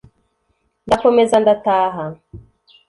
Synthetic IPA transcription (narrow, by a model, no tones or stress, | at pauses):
ndafomezandataːɦa